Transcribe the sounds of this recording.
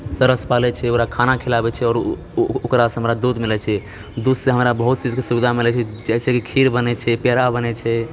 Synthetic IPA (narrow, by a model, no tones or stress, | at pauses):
səɾəspalɛt͡ʃʰɛokɾakʰanakʰilabɛt͡ʃʰɛɔːɾ | okɾasẽɦəmɾad̪ud̪ʱmilɛt͡ʃʰɛ | d̪ud̪sẽɦəmɾabəɦut̪̚t͡ʃid͡ʒkesubid̪ʱamilɛt͡ʃʰɛd͡ʒɛsekikʰiɾbənɛt͡ʃʰɛpeɾabənɛt͡ʃʰɛ